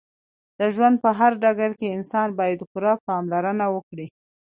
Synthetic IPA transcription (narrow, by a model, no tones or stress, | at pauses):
d̪̥əʒwand̪̚pəɦaɾɖaɡaɾkeɪnsɑnbɑjad̪xʊɾɑpɑmlaɾənawəkɽi